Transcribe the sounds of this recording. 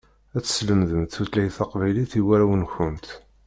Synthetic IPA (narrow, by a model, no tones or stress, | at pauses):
æt͡sːə̥sləmðəmt̪ːuθlæjθɑqvæjliθiwæɾæwənçənt̪